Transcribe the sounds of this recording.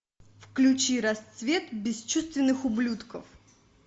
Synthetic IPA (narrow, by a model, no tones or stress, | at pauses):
fklʲʉt͡ɕiɾɐst̪svʲe̞t̪bʲɪst͡ɕust̪vʲɪnːɨxʊblʲut̪kəf